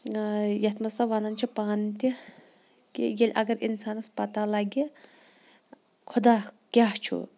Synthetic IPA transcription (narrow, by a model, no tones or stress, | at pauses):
jɐt̪mɐsaʋanɐnt͡ʃʰupaːnt̪i | kḭjelʲʔɐ̰ɡɐɾinsaːnɐspɐt̪alaːɡi | kʰʊd̪aːkʲaɦt͡ʃʰṵ